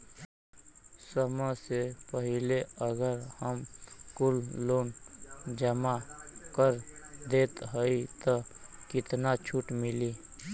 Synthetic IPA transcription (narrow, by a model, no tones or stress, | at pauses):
səməsepəɦɪleəɡəɾhəmkʊlːoːnd͡ʒəmakəɾd̪eːt̪ɦəit̪okɪt̪nat͡ʃʰuʈmɪli